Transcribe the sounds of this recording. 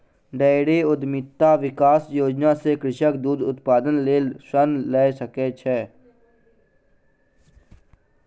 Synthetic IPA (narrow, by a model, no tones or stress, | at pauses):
ɖeːɽeʊd̪mɪt̪ːaʋɪkaːsjoːd͡ʒnasekɾɪʃək̚d̪uːd̪ʊt̪paːd̪ənleːsənlɛːsəket͡ʃʰɛː